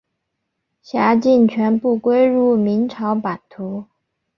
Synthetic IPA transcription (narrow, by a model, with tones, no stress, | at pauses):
ɕja˧˥t͡ɕi˥˩nt͡ɕʰɥɛ˧˥npu˥˩kwe˥ɪɻu˥˩mi˧˥nʈ͡ʂʰɑ˧˥ʊpa˨˩nt̪ʰu˧˥